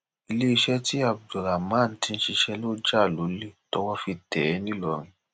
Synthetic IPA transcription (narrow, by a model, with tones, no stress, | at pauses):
i˧le˦i˧ʃɛ˦ti˦a˦˨b̚du˨ɾa˨mã˦˨n̩˨˦tĩ˧n̩˦ʃi˧ʃɛ˧lo˦d͡ʒa˦˨lo˨˦le˦˨tɔ˧wɔ˦fi˧tɛ˨˦nĩ˦lɔ˧˨ɾ̃ĩ˧